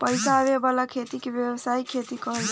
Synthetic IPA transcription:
pəjsaβebalakʰet̪ikebjebəsaikʰet̪ikəɦəl

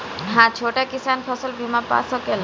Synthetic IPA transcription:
ɦãt͡ʃʰoʈakisaːnpʰɔsəlbʱimãpa̰sɔkel

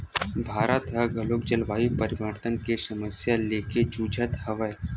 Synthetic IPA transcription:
bʱaːɾət̪ɦɐɡʱɐloːk̚d͡ʒɐlʋaːipəɾɪʋəɾt̪ənkesɐməsjaleːked͡ʒuːd͡ʒʱət̪hɐʋəj

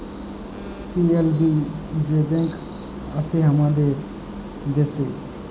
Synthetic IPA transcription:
pielbid͡ʒebẽŋk | əseɦəmãd̪e | d̪ese

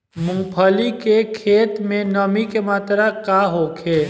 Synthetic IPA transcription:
mʊ̃pʰəlikekʰeːt̪mẽnəmikemaːt̪ɾakaɦoːkʰeː

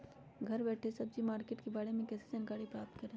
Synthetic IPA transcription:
ɡʱɐɾbɛːʈʰesɐb̚d͡ʒimaːɾkeːʈkebaːɽemẽkɛːsed͡ʒɐnɪkaːɽipɾaːp̚t̪kɐɾẽː

